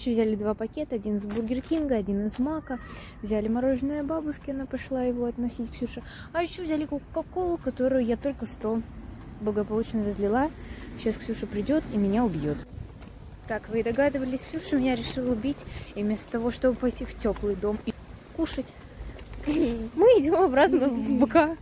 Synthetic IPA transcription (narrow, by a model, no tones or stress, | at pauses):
ɪɕovzʲalʲɪd̪vapɐkʲe̞t̪əɐdʲinɨzburɡʲɪrkʲinɡəɐdʲinɨzmakə | vzʲalʲɪmɐɾo̞ʐɨnɨjəbabʊʂkʲɪɐnapɐʂlˠajɪvo̞ɐt̪nɐsʲitʲksʲuʂɨ | ɐjɪɕːovzʲalʲɪkʊkɐko̞lˠʊkɐt̪o̞ɾʊjʊjat̪o̞lʲkəʂt̪o̞blˠəɡəpɐlˠut͡ɕnəɾəzʲlʲɪlˠaɕasksʲuʂɨpɾʲɪdʲo̞t̪imʲɪnʲaʊbʲjo̞t̪ | kakvɨd̪ɐɡad̪ɨvəlʲɪsʲksʲuʂɨmʲɪnʲaɾʲɪʂɨlˠəʊbʲitʲivmʲe̞st̪ə̥t̪ɐvo̞ʂt̪o̞bɨpɐjtʲiftʲo̞plˠɨjd̪o̞mikuʂətʲ | mɨɪdʲo̞mɐbɾat̪nəbɨka